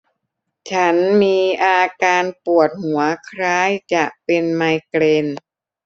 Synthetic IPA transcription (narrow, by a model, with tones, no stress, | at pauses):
t͡ɕʰa˦˥nmiː˧ʔaː˧kaː˧npu˨˩ət̪̚hu˩˦ɐkʰɾaː˦˥jt͡ɕa˨˩ʔ̚pe˧nma˧jkleː˧n